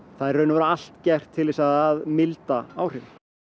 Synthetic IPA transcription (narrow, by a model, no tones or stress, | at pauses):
θaðɾrœːnɪvaɾaal̥t̪cɛr̥t̪ʰːɪlveːsaðaðmɪlt̪aaːwr̥ɪn